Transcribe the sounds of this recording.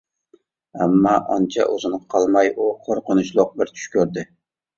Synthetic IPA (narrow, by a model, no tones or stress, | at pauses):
amːɒʔɒnt͡ʃʰa̰ʔɵzɪnɪqʰɒlˠmajʊqʰoɾqɨnʊʃlˠʊq̚bɪɾt̪ʰʊ̥ʃkʲʰɵɾd̪ɪ